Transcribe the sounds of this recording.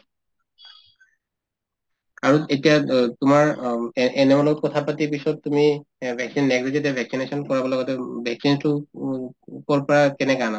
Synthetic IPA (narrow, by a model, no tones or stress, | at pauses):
aɹuetijat̪ʊmaɹɛnemɔlɔt̚kɔt̪ʰapatipiʃɔt̚tːumibʱɛksinːɛɡlid͡ʑetɛbʱɛksinesɔnkɔɹabɔlɔɡɔtɛbʱɛksintu | kɔɹpɔɹakɛnɛkana